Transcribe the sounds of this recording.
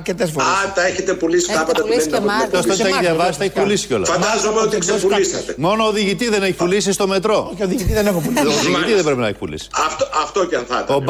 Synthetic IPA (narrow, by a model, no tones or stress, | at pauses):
ɾcet̪es̬foat̪ɐeçet̪epulisi̥t̪ɐpɐt̪ɐtuðenɐosot̪eçiðʝɐvɐsi̥st̪eeçi̥pulisi̥ceolɐfɐnd̪ɐzomeot̪iksepulisɐt̪emo̞noːðiʝit̪izðeneçi̥pulisist̪o̞me̞t̪ɾo̞oçioðiʝit̪izðenexopuliðiʝiizðebɾepinɐḛçi̥pulḭsi̥ɐft̪oɐft̪oceɐnθɐ̰t̪eob